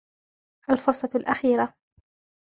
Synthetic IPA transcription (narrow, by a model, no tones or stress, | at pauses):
ʔalfʊɾsˤːɑlʔaxiːɾa